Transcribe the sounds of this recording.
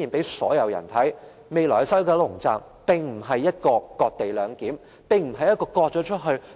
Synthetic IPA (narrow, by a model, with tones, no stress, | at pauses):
iː˨˩npe˨˥jsɔ̰ː˨˥jɐ˨˧wjɐ̰˨˩nt̪ʰɐ˨˥j | me˨˧jlɔː˨˩˨sɐ˥wkɛː˧˥lʊ˨˩ŋt͡sa̰ː˨˩m | pɪ˨ŋm̩˨˩ɦɐ˨jːɐ˥t̚kɔː˧kɔː˧t̚t̪e˨jlœː˨˧ŋkiː˨˥m | pɪ˨ŋm̩˨˩ɦɐ˨jɐ˥t̚kɔː˧kɔː˧t̚t͡ʃɔː˨˥t͡ʃʰɵ˥t̚ɦɵ˧